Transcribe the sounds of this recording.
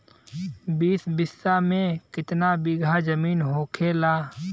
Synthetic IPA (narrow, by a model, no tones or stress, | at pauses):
biːsbɪsːamẽkɪt̪nabiɡʱazɐmiːnɦoːkʰeːlaː